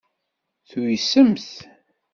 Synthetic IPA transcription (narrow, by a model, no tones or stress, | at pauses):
θujisəmθ